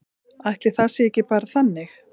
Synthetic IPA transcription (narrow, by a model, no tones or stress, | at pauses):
ajht̪lɪθasɪɛcɪpaːɾaθanːɪx